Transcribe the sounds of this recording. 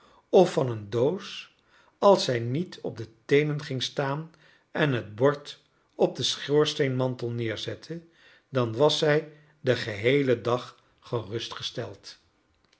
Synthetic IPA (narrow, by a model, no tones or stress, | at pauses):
ɔfɑnəndows | ɑlˠsɛjnitʰɔb̚dətejnənχɪŋstaːn | ɛnɦəd̚bɔɹt | ɔb̚dəsχʊːɹstejnmɑntəl̩ˠnɪːɹzɛtʰə | dɑnʋɑsɛj | dəχəɦejlədɑχ | χərɵstχəstɛlˠt